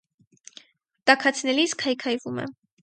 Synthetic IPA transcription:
t̪ɑkʰɑt͡sʰnɛliskʰɑjkʰɑjvumɛ̰

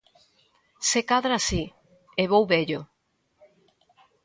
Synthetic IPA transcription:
sekaðɾasi | eβowβeʎo

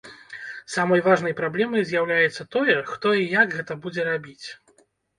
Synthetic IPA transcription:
samɐjvaʐnɐjpɾablʲɛmɐjzʲjawlʲajɛt̪sːɐt̪ɔjɛxt̪ɔijaɡɣɛt̪ɐbud͡zʲɛɾabʲit͡sʲ

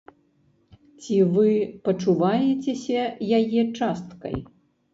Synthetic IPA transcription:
t͡sʲivɨpɐt͡ʂuvajɛt͡sʲesʲɐjajɛt͡ʂast̪kɐ̰j

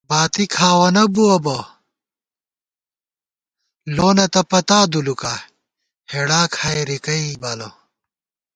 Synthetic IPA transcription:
baːt̪ikʰaːwɐnɐbuɐbɐ | loːnɐt̪ɐpɐt̪aːd̪ulukaː | heɽaːkʰaːjɾikɐibɐlɐ

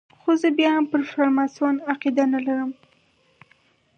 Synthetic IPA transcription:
xozəbjɑampəɾfaɾmɑsonaqid̪analaɾəm

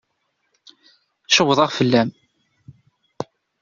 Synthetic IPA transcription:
ʃəwːəðˤɑʁfəlːæm

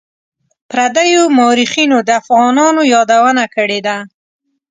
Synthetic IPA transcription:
pɾad̪ajomɑɾixinod̪əafɣɑnɑnojɑd̪awənakəɽed̪a

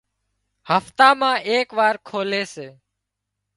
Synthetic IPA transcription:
həft̪aːmãːʔeːkʋaːɾkʰoːleːseː

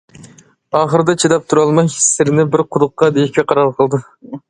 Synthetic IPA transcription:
ɑχəɾd̪ɑt͡ʃʰid̪ɑp̚t̪ʰuɾɑlˠmɑji̥sːeɾɪnɪbɪɾqʰʊd̪ʊqːɑd̪ekʲeqʰɑɾɑlˠqʰəlˠd̪ɨ

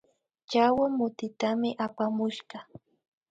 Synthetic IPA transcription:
t͡ʃawamʊt̪ɪt̪amɪʔapamʊʃɢɑ

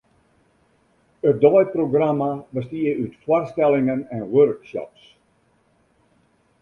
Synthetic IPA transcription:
ət̚dɔjproɡramabəstiəytfwɔrstɛlɪŋənɛnwørkʃɔ̰ps

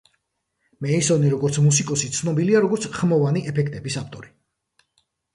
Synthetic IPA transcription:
mɛisɔniɾɔɡɔɾt̪sʰmus̬ikʼɔsit̪sʰnɔbiliaɾɔɡɔɾt̪sʰχmɔvaniʔɛpʰɛkʰt̪ʼɛbisaft̪ʼɔɾi

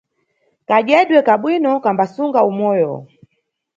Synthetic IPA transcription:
kaʄɛɗwɛkaɓwinɔkambasuŋɡaumɔjɔ

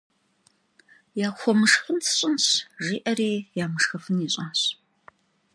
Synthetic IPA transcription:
jaːxʷɔmɨʂχʷʊnt͡sʰɨ̥ɕʼʊnɕʒiːʔɐriːjaːmɨʂxɐfɨniɕʼɐɕ

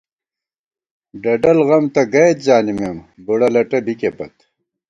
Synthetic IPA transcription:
ɖɐɖɐlɣɐmt̪ɐɡɐjt̪̚d͡ʑaːnimembuɽɐlɐʈɐbikepɐt̪

